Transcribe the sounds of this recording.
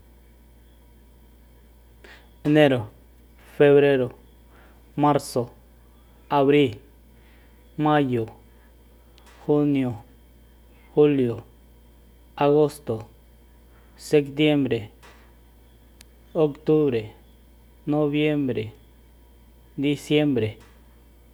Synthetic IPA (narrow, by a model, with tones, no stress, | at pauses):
e˨ne˦ɾo˨ | fe˦βɾe˦ɾo˨ | ma˦ɾso˨ | a˨βɾi˦l | ma˦jo˨ | xu˦njo˨ | xu˦ljo˨ | a˧ɣo˦st̪o˨ | se˦kt̪je˦mbɾe˨ | o˦kt̪u˦βɾe˨ | no˦βje˦mbɾe˨ | d̪i˦sje˦mbɾe˨